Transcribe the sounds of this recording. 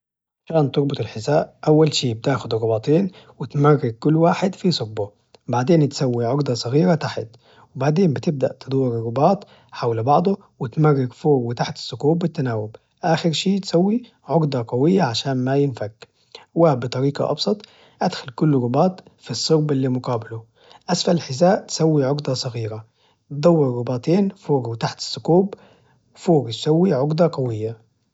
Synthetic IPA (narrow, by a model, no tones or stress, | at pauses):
ʃaːnt̪ʊɾbʊt̪ˤɪlħɪsaːʔʔawːalʃiːbɪt̪aːxʊd̪rˤːʊbɑːt̪ˤeːn | wɪt̪marːɪɡ̚kʊlːwaːħɪd̪fisˤʊɾ̚bʊ | baʕd̪eːnt̪sawːiʕʊɾd̪ˤɑsˤɑɣiːɾat̪aħɪt̪ | wɪbaʕd̪eːmbɪt̪ɪb̚d̪a̰ʔt̪ɨd̪ˤwːɪɾɾˤːʊbɑːt̪ˤ | ħawlbɑʕd̪ˤʊ | wɪt̪marːɪɡfoːɾwɪt̪aħt̪ɪ̥sːʊkuːwɪt̪ːanaːwɪb | ʔaːxɪɾʃiːt̪sawːi | ʕʊɡd̪ˤɑqɑwɪjːaʕaʃaːnmajɪnfaɡ | waːbɪt̪ˤɑɾiːqɑ̰ʔɑ̰bsˤɑt̪ˤ | ʔad̪xalkʊlːɾˤʊbɑːt̪fisˤːʊɾbʔɪlːiːmʊqɑːbɪlʊ | ʔasfalɪlħɪzaːʔt̪sawːiʕʊɡd̪ˤɑsˤɑɣiːɾa | t̪d̪ˤɑwːɪɾːʊbaːt̪eːnfoːɾwɪt̪aħt̪ɪ̥sːʊkuːb | wfoːɾt̪sawːiʕʊɡd̪ˤɑqɑwɪjːa